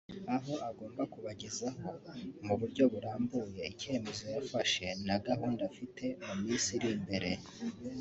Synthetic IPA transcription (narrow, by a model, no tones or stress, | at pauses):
aɦo̞ʔaɡo̞ːmbakuβaɟezaho̞muβuɾɟo̞βuɾaːmbuje̞ice̞me̞zo̞jafaʃe̞naɡaɦuːndafite̞mumiːnsiɾimbe̞ɾe̞